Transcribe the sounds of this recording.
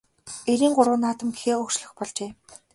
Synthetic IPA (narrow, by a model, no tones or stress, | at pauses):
eɾiːŋɢʊɾwə̆ːnːaːt̪ə̆mɡixeːʊkt͡ɕɮɵ̆xpɔɮt͡ɕeː